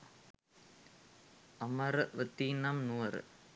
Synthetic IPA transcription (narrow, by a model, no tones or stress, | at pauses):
ɐmɐɾʋət̪ːiːnamnuːɐɾ